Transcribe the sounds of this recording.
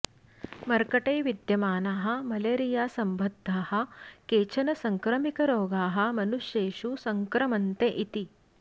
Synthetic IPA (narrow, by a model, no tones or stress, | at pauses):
mɐɾkɐʈeːjʋid̪jɐmaːnaːɦɐ̆mɐleːɾijaːsɐmbʱɐd̪ʱːaːhɐ̆keːt͡ʃʰɐnɐsɐŋkɾɐmikɐɾoːɡaːɦɐ̆mɐnuʃjeːʃusɐŋkɾɐmɐnt̪eʔit̪i